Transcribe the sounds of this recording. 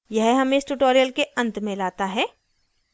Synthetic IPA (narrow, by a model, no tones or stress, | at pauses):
jɛɦɦɐmẽɪsʈuʈoːɾijəlkeɐ̃nt̪mẽlaːt̪aɦɛː